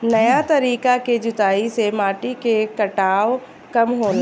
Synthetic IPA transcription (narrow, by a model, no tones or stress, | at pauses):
nɐjat̪ɐɾiːkaked͡ʒʊt̪aːisemaːʈikekɐʈaːo | kɐmɦoː